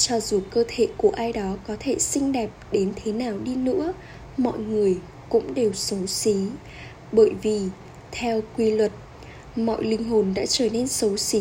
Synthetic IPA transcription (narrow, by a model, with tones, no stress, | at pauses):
t͡ɕɔ˧zu˨˩kəː˧t̪ʰḛ˧˨ku˧˩əʔaː˧jɗɔ˨˦kɔ˨˦t̪ʰe˧˩sï˧ŋ̟ɗɛ˨˩p̚ɗe˨˦nt̪ʰe˨˦naː˨˩wɗi˧nɨ̰˧˥ə | mɔ̰˧˨jŋɨ˨˩əj | kʊ̰˧˥ŋ͡mɗe˨˩wsə˨˦wsi˨˦ | ɓəː˧˩jvi˨˩ | t̪ʰɛ˧wkwi˧lwə˨˩t̚ | mɔ̰˧˨jlï˧ŋ̟ɦo˨˩nɗa̰ː˧˥t͡ɕəː˧˩ne˧nsə˨˦wsi˨˦